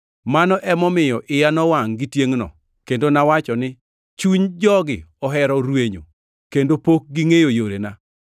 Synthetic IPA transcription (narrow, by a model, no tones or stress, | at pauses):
manɔʔɛmɔmɪjɔʔɪjanɔwaŋɡɪtjeŋnɔ̰ | kendonawat͡ʃɔnɪ | t͡ʃuɲd͡ʒɔɡɪɔɦɛɾɔɾweɲo̰ | kendopok̚ɡɪŋejojoɾena